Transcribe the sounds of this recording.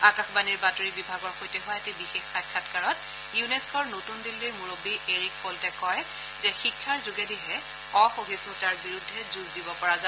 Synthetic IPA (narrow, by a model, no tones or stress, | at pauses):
akaxbaniɹbatoɹibibʱaɡɔɹxojtɛɦɔjatebixexːat̚kʰatkaɹɔt̚ | juneskɔɹnotundilːiɹmuɹobiʔeɹik̚fʰɔltɛkɔj | zɛxikʰːaɹzʊɡediɦɛ | ɔxoɦisnutaɹbiɹudʱːɛzuzdibɔpɔɹaza